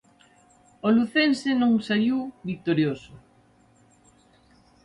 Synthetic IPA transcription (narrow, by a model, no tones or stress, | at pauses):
oluθensenõŋsajiwbik̚t̪oɾjoso